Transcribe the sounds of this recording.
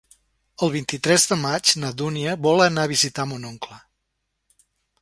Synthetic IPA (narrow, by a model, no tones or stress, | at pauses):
əlˠβint̪it̪ɾɛzðəmad͡ʒnəðuniəβɔlənaβizit̪amunoŋklə